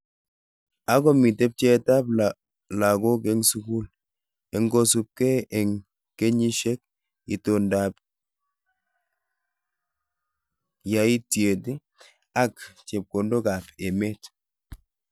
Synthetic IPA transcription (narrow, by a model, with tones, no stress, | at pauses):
a˦kɔ˦mi˨te˦p̚t͡ʃɛ˦ta˦pl | la˨ko˦kɛ˦ŋsu˦ku˦l | ɛ˨ŋɡo˦su˦p̚kɛ˦ɛ˨ŋ | ke˦ɲi˦ʃɛ˦k̚ | i˨to˨nda˨p | ja˨i˦tie˨ti˦ | a˦kt͡ʃe˨p̚ko˨ndo˦ka˨pe˨me˦t